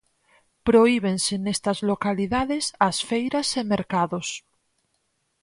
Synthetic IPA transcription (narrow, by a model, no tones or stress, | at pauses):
pɾoiβ̞ensenest̪azlokaliðaðesasfejɾasemeɾkaðos